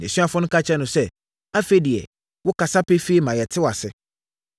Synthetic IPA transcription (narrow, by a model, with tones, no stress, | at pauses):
n˨ɛ̃˨sɥa˨fʊ̃˦nʊ̃˦kʰa˦t͡ɕʰɛ˦nʊ̃˨sɛ˦ | a˦fe˦di˨ɛ˨ | wʊ˦ka˨sa˦pɛ˦fe˦i˦mã˨jɛ˨tʰɪ˦wa˨sɪ˦